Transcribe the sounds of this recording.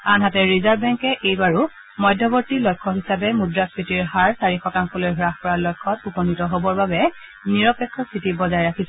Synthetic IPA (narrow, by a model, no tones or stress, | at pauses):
anɦatɛɹizaɹbɛŋkɛʔejbaɹu | mɔjdʱːɔbɔɹtilɔjkʰːɔɦisabɛmudɹaspitiɹɦaɹsaɹixɔtaŋkɔlojɦɹaxpɔɹalɔjkʰːɔtupɔnitɔɦobɔɹbabɛ | niɹɔpɛkʰːɔsitibɔzajɹakʰisɛ